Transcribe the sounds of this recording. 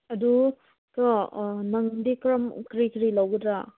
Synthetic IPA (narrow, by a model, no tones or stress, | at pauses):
ɐdu | tɔnɐŋdikɾɐmkɾikɾilawɡɯd̪ɾa